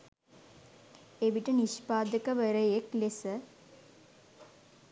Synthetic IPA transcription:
eʋiʈəniʃpaːd̪əkəʋəɾəjeklesə

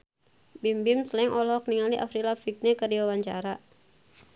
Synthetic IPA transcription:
bimbimsəlɛŋʔɔlɔk̚niŋaliʔa̰fɾilafik̚nɛkərdiwawaɲt͡ʃa̰ɾa

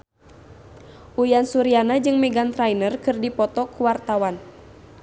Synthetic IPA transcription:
ʔujansuɾianad͡ʒɨŋmɛɡant̪ɾajnərkɨrdipɔt̪ɔkuwart̪awan

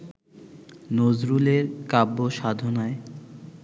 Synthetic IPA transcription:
nozɾuleɾkabːoʃad̪ʱonae

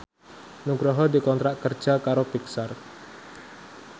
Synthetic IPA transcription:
nuɡɾaɦɔdikɔnt̪ɾaʔkər̥d͡ʒ̥akaɾopiksar

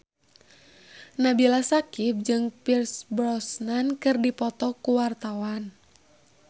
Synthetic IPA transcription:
nabilasakip̚d͡ʒɨŋpirsbɾɔsnankɨrdipɔt̪ɔkuwart̪awan

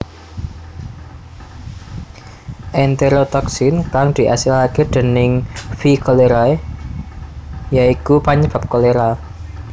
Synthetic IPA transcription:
ʔɛnt̪eɾot̪ɔksɪnkaŋd̪̥i̤ʔa̰silaked̪̥ə̤nɪŋfikoleɾa | jaikupaɲəb̥a̤p̚koleɾa

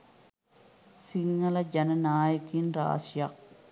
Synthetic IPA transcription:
siŋːɐlɐd͡ʒɐnɐnaːjɐkinra̰ːsjɐk̚

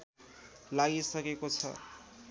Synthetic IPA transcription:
laɡisʌkekot͡sʰʌ̰

